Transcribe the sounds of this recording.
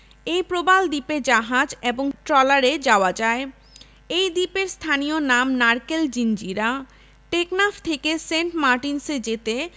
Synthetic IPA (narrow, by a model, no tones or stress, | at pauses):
ejpɾobald̪iped͡ʑaɦad͡ʑeboŋʈɾɔlaɾed͡ʑaoad͡ʑae | ejd̪ipeɾst̪ʰanijonamnaɾkeld͡ʑind͡ʑiɾa | ʈeknaft̪ʰekeseɳʈmaɾʈinsed͡ʑet̪e